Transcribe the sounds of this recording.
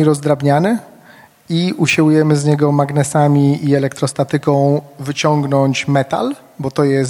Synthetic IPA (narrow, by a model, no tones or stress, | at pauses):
iɾɔzd̪ɾabɲanɘ | iuɕiwujɛmɘzɲɛɡɔmaɡnɛsamʲiiɛlɛkt̪ɾɔst̪at̪ɘkɔ̃w̃vɘt͡ɕɔŋɡnɔɲt͡ɕmɛt̪a̰l | bɔt̪ɔjɛs